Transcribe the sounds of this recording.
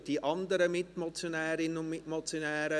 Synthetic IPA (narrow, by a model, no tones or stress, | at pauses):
d̥iʔɑnd̪əɾəmɪtmɔt͡sjonɛːɾɪnənʊnmɪmɔt͡sjonɛːɾə